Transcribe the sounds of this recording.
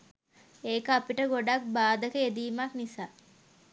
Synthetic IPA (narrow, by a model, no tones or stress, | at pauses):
eːkəapiʈəɡoɖak̚baːd̪əkəed̪iːmaknisaː